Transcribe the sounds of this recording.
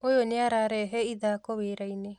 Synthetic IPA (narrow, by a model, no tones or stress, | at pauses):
ojoneaɾaɾɛɦɛiðaːkoβeɾaine